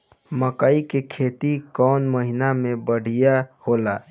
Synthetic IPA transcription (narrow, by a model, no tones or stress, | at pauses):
məkaikekʰet̪ikɔnməɦinamebəɽ̤ijahola